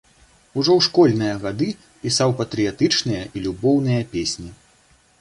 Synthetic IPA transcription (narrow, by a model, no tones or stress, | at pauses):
uʐɔwʂkɔlʲnɨjɐɣad̪ɨ | pʲisawpɐt̪ɾɨjat̪ɨt͡ʂnɨjɐʔilʲubɔwnɨjɐpʲesʲnʲi